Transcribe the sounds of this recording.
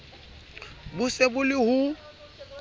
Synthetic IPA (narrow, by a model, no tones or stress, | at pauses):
bʊsebʊlɪhʊ